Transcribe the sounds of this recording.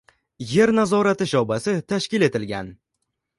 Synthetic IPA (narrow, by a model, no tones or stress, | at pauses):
je̞ɾnazɒɾat̪ɪʃɒwbasɪt̪ʰaʃkʲɪle̞t̪ɪlɡʲan